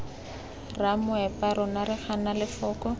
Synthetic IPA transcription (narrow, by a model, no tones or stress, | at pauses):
ramʊɛpaɾʊnaɾɪχanalɪfɔːkɔ